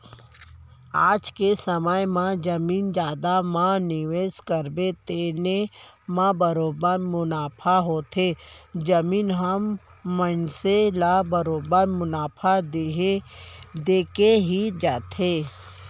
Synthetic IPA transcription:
a̰ːd͡ʒkesəməjmãd͡ʒəmiːnd͡ʒaːd̪amãnɪʋeːskəɾbet̪eːne | mãbəɾoːbəɾmʊnaːpʰaɦoːt̪ʰeːd͡ʒəmiːnɦəmːənselabəɾoːbəɾmʊnaːpʰad̪e | d̪eːkeɦid͡ʒaːt̪ʰeː

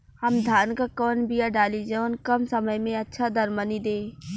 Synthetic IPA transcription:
hɐmd̪ʱaːnkakɔːnbijaɖaːlid͡ʒənkɐmsɐməjmẽɐtːʃʰad̪ɐɾmənid̪eː

